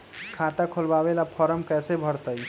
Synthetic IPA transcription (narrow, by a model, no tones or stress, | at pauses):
kʰat̪akʰolbabelapʰəɾəmkɛjsebʱəɾt̪əj